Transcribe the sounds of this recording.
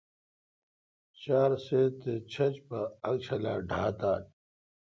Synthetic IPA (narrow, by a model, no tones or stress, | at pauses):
t͡ɕaːɾseːt̪et͡ɕʰɐt͡ɕpɐːk̚t͡ɕʰɐla̰ːɖʱaːt̪aːn